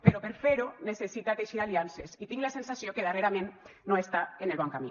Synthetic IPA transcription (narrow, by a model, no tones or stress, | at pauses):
peɾopeɾfeɾonesesit̪at̪eʃiɾaliansesit̪iŋlasensasjokeðereɾamenːoest̪aenelβaŋkamḭ